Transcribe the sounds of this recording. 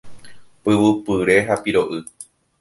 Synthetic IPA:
pɨʋɨpɨɾe̞ɦapiɾo̞ʔɨ

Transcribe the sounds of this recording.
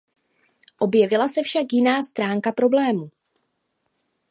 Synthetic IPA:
ʔo̞bjɛvɪlasɛfʃakjɪnaːst̪ɾaːŋkapɾo̞blɛːmu

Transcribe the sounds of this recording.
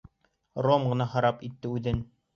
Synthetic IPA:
romɢɤ̆nɑhɑɾɑpit̪ːɘʉðɘn

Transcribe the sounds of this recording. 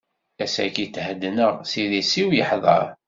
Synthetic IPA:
æsækitːhəd̪ːnəʁsiðisiwjəħðˤɑ̰ɾˤ

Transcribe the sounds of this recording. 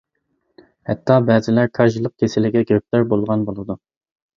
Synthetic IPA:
hɛt̪ʰːɑbɛːzɪlæɾkʰɑɾʒilˠːəq̚kʲʰesɪlɪɡʲɛɡʲøp̚læɾbolˠʁɑnbolˠɨd̪u

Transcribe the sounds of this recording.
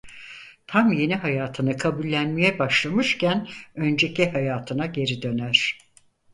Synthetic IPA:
t̪ʰamje̞niɦajaːt̪ʰɯnɯkʰabulʲːænmijɛbaʃlˠamɯʃcʰænø̞nd͡ʒe̞cihajaːt̪ʰɯnaɟe̞ɾid̪ø̞næɾ̥

